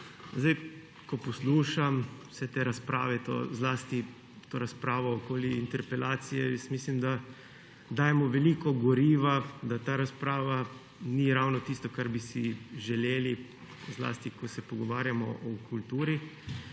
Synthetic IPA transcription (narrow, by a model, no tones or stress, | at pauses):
zd̪aj | kɔpɔsluːʃamsɛt̪eːɾaspɾa̰ːʋɛt̪o̰zlaːst̪i | t̪oːɾaspɾaːʋɔːkoːliint̪ɛɾpɛlaːt̪sijɛjəst̪miːslimd̪a | d̪aːjɛmɔʋɛliːkɔɡɔɾiːʋad̪at̪aːɾaspɾaːʋa | niɾawnɔt̪ist̪ɔkaɾbisiʒɛleːli | zla̰ːst̪ikɔsɛpɔɡɔʋaːɾjamɔ̰ʔɔkult̪uːɾi